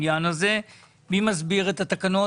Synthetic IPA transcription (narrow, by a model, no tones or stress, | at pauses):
jaːnɐze | bimɐzbiːɣɐt̪ɐt̪ɐkɐnoː